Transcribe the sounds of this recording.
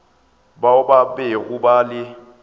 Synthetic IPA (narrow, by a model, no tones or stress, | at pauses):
baʊbabɛɣʊbalɪ